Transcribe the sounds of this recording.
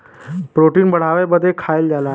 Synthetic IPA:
pɾoʈiːnbəɽ̤aʋajbəd̪ʱːekʰaild͡ʑala

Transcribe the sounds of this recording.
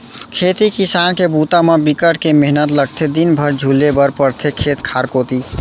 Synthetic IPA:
kʰeːt̪ikisankebut̪amebikəʈkemeɦnət̪ləɡ̚t̪ʰed̪inbʱəɾd͡ʒʱulːebəɾpəɾt̪ʰekʰːeːt̪kʰaːɾkoːt̪i

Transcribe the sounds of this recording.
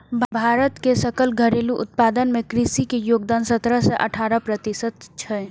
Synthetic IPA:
bʱbʱaːɾət̪kesəkəlɡʱəɾeːluʔʊt̪̚paːd̪ənmẽkɾɪsikejoːɡ̚d̪aːnsət̪ɾəsɛʔə̰ʈʰaːɾəpɾət̪ɪsət̪t͡ʃʰɛ

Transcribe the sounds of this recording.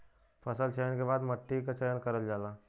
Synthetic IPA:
fʰəsəlt͡ʃʰajnkebaːd̪məʈːikat͡ʃɐjənkɐɾəld͡ʒaːlaː

